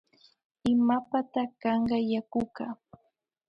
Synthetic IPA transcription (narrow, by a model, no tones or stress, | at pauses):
ɪmapat̪akɑɴɢɑjakʊkaː